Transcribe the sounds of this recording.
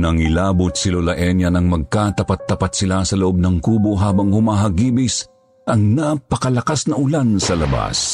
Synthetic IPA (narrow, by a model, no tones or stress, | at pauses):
nɐŋɪlaːbʊt̪sɪlolɐʔɛnjɐnɐŋmɐɡ̚kat̪ɐpat̪ːɐpat̪sɪlasɐlʊʔob̚nɐŋkuːboɦaːbɐŋhʊmaːɦɐɡiːbɪs | ʔɐŋnapɐkɐlɐkasnɐʔʊlansɐlɐba̰s